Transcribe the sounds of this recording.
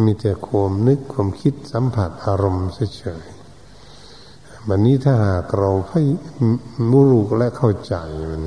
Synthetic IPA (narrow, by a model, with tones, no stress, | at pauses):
miː˧t̪ɛ˨˩kʰu˧əmnɯ˦˥kʰːwaː˧mkʰi˦˥t̪̚sa˨˦mpʰa˨˩t̪̚ʔaː˧ɾo˧msa˧˥˩t͡ɕʰɤː˩˦j | wa˧nːiː˦˥˨t̪ʰaː˥˩ɦaː˨˩k̚ɾa˧wpʰa˧˥˩j | mu˧˥˩ɾu˨˩k̚lɛ˦˥ʔkʰa˥˩wt͡ɕa˧ja˧˩n˧